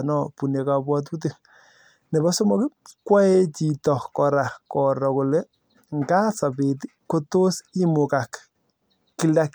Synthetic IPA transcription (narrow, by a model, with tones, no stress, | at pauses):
nɔ˦pu˨ne˨ka˨pwɔ˦t̬u˦t̬i˦ | ne˨bɔ˦so˦mɔ˦ki˦kwa˦e˦t͡ʃi˨tɔ˨kɔ˨ɾa˨kɔ˨ɾɔ˨ko˨le˦ | ŋɡa˦sa˨pe˨t̬i˦ko˦to˦si˦mu˨ka˨k | ki˨˦la˦k